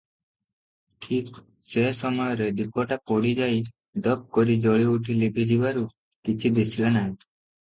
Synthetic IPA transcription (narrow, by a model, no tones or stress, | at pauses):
ʈʰik | sesɔmɔjɔɾed̪ipɔʈapɔɽid͡ʒaj | d̪ɔp̚kɔɾid͡ʒɔɭiuʈʰilibʱid͡ʒibaɾu | kit͡ʃʰid̪esʰilanaɦĩ